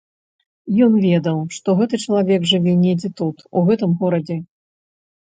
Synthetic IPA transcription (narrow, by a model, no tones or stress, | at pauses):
jɔnvʲɛd̪ɐwʂt̪ɔɣɛt̪ɨt͡ʂɐlˠavʲɛɡʐɨvʲɛnʲɛd͡zʲɛt̪ut̪uɣɛt̪ɨmɣɔɾɐd͡zʲɛ